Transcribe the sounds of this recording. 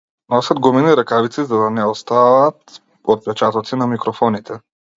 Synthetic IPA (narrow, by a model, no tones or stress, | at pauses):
nɔsad̪̚ɡɔminiɾakavit̪sizad̪anɛɔst̪avat̪ | ɔt̪̚pɛt͡ʃat̪ɔt̪sinamikɾɔfɔnit̪ɛ